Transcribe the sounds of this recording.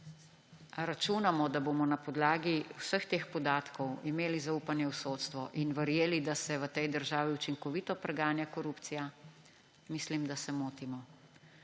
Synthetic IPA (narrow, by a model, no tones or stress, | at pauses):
ɾat͡ʃuːnamɔd̪aboːmɔnapɔd̪laːɡiwsəxt̪eːxpɔd̪aːt̪kɔwimeːlizaupanjɛwsoːt̪st̪ʋɔʔinʋəɾjeːlid̪asɛʋət̪ɛjd̪əɾʒaːʋiut͡ʃiŋkɔʋiːt̪ɔpɾɛɡaːnjakɔɾupt̪sija | mislimd̪asɛmoːt̪imɔ